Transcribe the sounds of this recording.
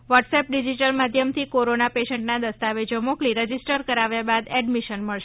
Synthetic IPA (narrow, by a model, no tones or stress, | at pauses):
ʋɔʈsep̚ɖid͡ʒiʈəlmad̪ʱjəmt̪ʰikoɾonapeʃəɳʈnad̪əst̪aʋed͡ʒomokliɾəd͡ʒisʈəɾkəɾaʋjabad̪ɛɖmiʃənməɭʃe